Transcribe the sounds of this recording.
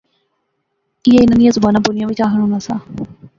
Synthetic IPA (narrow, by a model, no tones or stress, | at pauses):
ɪeɪnanĩjãːzʊbaːnãːbʊnɪjãːʋɪt͡ʃaːɦəɽ̃ɦoːnaːsãː